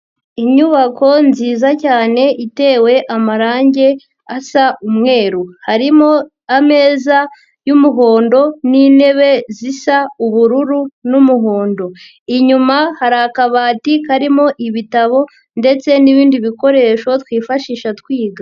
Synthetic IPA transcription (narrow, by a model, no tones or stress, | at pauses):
iɲuβako̞nziːzacaːne̞ʔite̞ːwe̞ʔamaɾaːɲɟe̞ | asaʔumŋe̞ːɾuhaɾimo̞ | ame̞ːza | jumuɦo̞ːndo̞nine̞βe̞zisauβuɾuɾunumuɦo̞ːndo̞ | iɲumahaɾakaβaːtikaɾimo̞ʔiβitaβo̞ | nde̞t͡se̞niβiːndiβiko̞ɾe̞ːʃo̞twiːfaʃiːʃatkwiːɡa